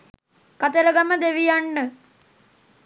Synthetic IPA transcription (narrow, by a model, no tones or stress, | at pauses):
kat̪əɾəɡɐməd̪eʋijanːə